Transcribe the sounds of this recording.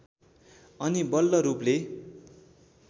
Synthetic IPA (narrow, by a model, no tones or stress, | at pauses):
ʌnibʌlːʌɾuple